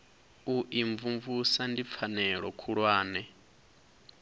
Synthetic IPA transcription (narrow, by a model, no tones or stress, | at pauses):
uʔiɱvuɱvusandip̪fʰanɛɺɔkʰuɺwaːnɛ